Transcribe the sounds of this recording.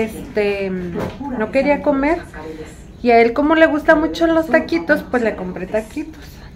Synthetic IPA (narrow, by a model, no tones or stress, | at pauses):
est̪e | nokeɾiakomeɾ | iaelkomoleɣust̪amut͡ʃolost̪akit̪ospweslekompɾet̪akit̪o̥s